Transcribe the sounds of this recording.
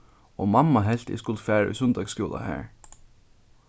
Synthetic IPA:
ɔmamːaɦɛl̥t̪ɪ̰skʊlt̪fæːɹʏ̰sʏnd̪aɡskjuːla̰hæ̰ːɹ

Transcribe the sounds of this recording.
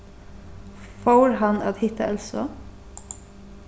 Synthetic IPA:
foːɾhɑnɑːt̪hɪt̪əɑlsɔ̰

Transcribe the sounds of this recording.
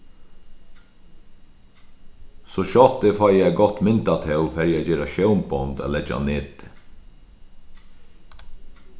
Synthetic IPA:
soːʃɔt̪efɑɪæɡɔt̪mɪnt̪ɑt̪ʰɛfɛɾjæd͡ʒeːɾɑʃœʊmbɔnd̪ɛ̰lɛd͡ʒɑ̰neːd̪

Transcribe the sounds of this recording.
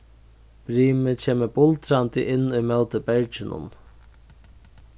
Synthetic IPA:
bɾiːmət͡ɕʰeːməbʊlt̪ɾant̪əʔɪnːʊjmœwt̪əbɛɹt͡ʃɪnʊ̰n

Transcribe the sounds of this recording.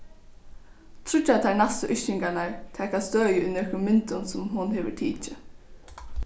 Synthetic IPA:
t̪ʰɾʊt͡ʃːat̪ʰaɹnast̪əʔʏʃt͡ʃɪŋkanaɹt̪ʰɛːkast̪øːjəʏnœkʊnmɪnt̪ʊnsʊmɦʊnɦɛːʋə̰t̪ʰiːt͡ʃɪ

